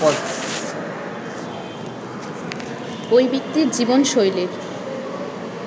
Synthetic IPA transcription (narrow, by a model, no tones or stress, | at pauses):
ɔɾ | ojbik̚t̪iɾd͡ʑibonʃojleɾ